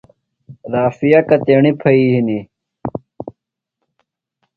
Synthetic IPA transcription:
ɾaːfijakɐt̪eːɳipʰɐiːɦini

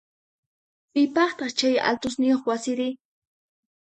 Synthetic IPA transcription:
pɪpɑχt̪ɑχt͡ʃaja̰lt̪ʊsnɪjoχwasɪɾɪ

